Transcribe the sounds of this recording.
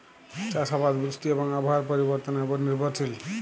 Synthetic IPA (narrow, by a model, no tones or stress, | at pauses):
t͡ʃaʃabad̪bɾiʃʈiebɔŋabɔɦaɾpɔɾibɔɾt̪ɔneboɾniɾbʱɔɾt͡ʃʰil